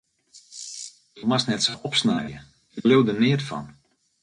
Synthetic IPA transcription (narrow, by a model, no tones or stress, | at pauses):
dumasnɛtsoʔɔpsnajjə̰ | jəlɪwdənɪətfɔ̰n